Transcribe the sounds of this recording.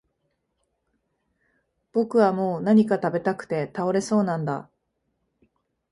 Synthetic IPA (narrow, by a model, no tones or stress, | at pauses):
b̥o̞kɯ̟βamo̞ːnaɲ̟ikat̪abe̞t̪akɯ̟̥t̪e̞t̪ao̞ɾe̞so̞ːnãnd̪a̰